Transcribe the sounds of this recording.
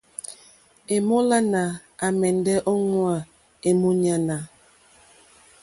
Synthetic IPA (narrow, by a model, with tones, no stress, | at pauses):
e˨mo˦la˦na˨ | a˨mɛ˨n˨dɛ˦ʔo˦ŋwa˨ | e˨mo˦ɲa˦na˨